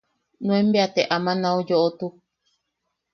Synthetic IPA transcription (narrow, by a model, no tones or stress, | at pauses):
nũẽmbeat̪eʔamãnãud͡ʒoʔot̪u